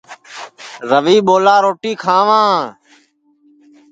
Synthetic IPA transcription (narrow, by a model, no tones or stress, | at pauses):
ɾəʋiːɓoːlaːɾoːʈiːkʰãːʋãː